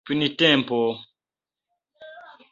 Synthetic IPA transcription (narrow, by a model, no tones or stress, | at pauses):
pinitɛ̃mpɔ